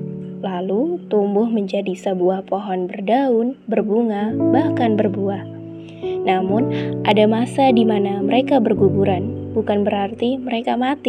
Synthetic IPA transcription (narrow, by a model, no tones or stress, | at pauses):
lalut̪umbʊhməɲd͡ʒadisəbuahpoɦɔnbərdaʊnbərbuŋabahkanbərbuah | namʊnʔadamasadimanaməɾekabərɡubuɾanbukanbəɾart̪iməɾekamat̪i